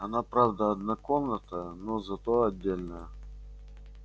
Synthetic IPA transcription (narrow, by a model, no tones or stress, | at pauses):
ɐnapɾavd̪əɐd̪nakomnət̪ənozɐt̪oɐdʲːelʲnəjə